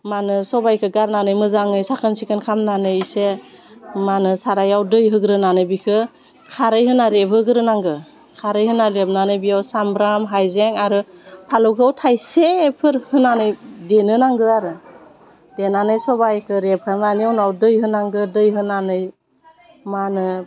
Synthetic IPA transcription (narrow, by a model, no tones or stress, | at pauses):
manɯsɔbajkʰɯɡaɾnanɯjmɯzaŋnɯjsakʰɯnsikʰɯnkʰamnanɯjise | manɯsaɾajawdɯjɦɯɡɾɯnanɯjbikʰɯ | kʰaɾɯjɦɯnaɾebʰɯɡɯɾɯnaŋɡɯ | kʰaɾɯjɦɯnalep̚nanɯjbijawsambɾamɦajzeŋaɾɯpʰalɔwɡʰɯwtʰajsepʰɯɾhɯnanɯjdenɯnaŋɡɯaɾɯ | d̥enanɯjsɔbajkʰɯɾep̚kʰananiawnawdɯjhɯnaŋɡɯdɯjɦɯnanɯj | manɯ